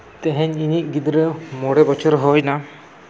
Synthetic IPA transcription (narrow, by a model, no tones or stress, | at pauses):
t̪eɦɛɲiniʔɡid̪ɾemɔɽebɔt͡ʃʰɔɾɦɔjna